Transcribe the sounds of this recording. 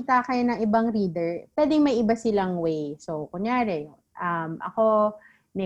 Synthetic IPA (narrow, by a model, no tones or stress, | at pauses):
t̪akɐjonɐŋʔɪbaŋɾiːd̪ɛɹpwɛːd̪ɪŋmɐjʔɪbasɪlaŋwɛjsokʊŋjaːɾɛ | ʔɐmʔɐ̰ko̞ | nɛ